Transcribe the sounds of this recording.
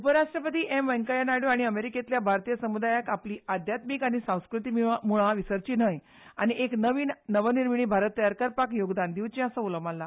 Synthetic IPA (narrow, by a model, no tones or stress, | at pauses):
upəɾaʂʈɾəpət̪iːʔemʋə̃ŋkajanaɽjoaɽ̃iəmeɾiket̪ljabʱaɾt̪ijəsəmud̪ajakapliːad̪ʱjat̪mikaɽ̃isãw̃skɾut̪iːmamuɭaʋisəɾt͡ɕiːnəj | añiʔeknəʋiːnnəʋəniɾmiɽ̃iːbʱaɾət̪ːəjaɾkəɾpakjoɡd̪and̪iwt͡ɕĩasəuləmalːa